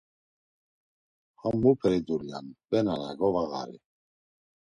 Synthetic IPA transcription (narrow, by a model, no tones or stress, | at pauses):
χamːupʰɛɾid̪uɾijanb̥ɛnala̰ɡɔvaɣa̰ɾi